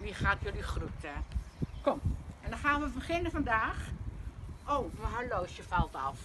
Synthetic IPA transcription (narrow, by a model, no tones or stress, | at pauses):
ʋixaːtʰjølixrutɛkɔmɛndɔxaːnʋəbəχɪnəfɔndaːx | ʔoːwʋəɦaloːsjəfalˠta̰f